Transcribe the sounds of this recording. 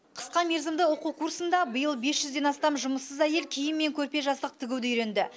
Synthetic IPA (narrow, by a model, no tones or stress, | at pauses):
qʰə̥sqɑme̞ɾzɪmd̪ɪwoqukʰursənd̪ɑbəjəlˠbe̞sʒʏzd̪e̞nɑst̪ɑmʒʊməsəzæje̞lkʲʰijɪmːe̞ŋkʲʰɵɾpe̞ʒɑst̪ˠəq̚t̪ʰɪɡʲɪwd̪ɪijɾend̪ɪ